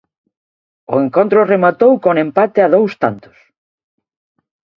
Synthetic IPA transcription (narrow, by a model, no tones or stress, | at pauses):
ʊ̰eŋkont̪ɾʊremat̪owkoŋempat̪eaðowst̪ant̪ʊ̥s